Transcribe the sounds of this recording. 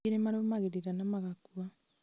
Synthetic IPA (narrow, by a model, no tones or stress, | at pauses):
eɾemaɾomaɣeɾeɾanamaɣakua